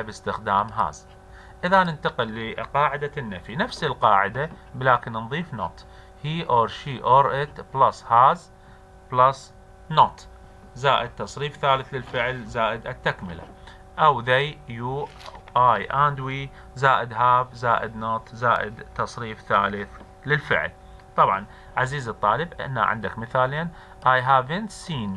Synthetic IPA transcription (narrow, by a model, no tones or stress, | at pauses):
bɪst̪ɪxd̪aːmɦa̰ːz | ʔɪðanɪnt̪aqɪlːiqɑːʕɪd̪anːafinafsɪlqɑːʕɪd̪ablaːkɪnnðˤiːfno̰t̪ˤ | hiːʔoːɾʃiːʔoːɾʔɪt̪blashaːz | blas | not̪ˤ | zaːʔɪd̪̚t̪ːɑsˤɾiːfθaːlɪθlɪlfɪʕlzaːʔɪd̪ʔat̪ːakmɪla̰ | ʔawðajjuː | ʔajʔand̪wiː | zaːʔɪd̪ɦaːbzaːʔɪd̪nɑt̪ˤzaːʔɪd̪t̪ɑsˤɾiːfθaːlɪθ | lɪlfɪ̰ʕl | t̪ˤɑbʕɑ̰n | ʕaziːzɨt̪ˤːɑːlɪbʔɪ̰na̰ʕɪ̰nd̪a̰kmɪθaːleːn | ʔajɦaːvɪnt̪siːn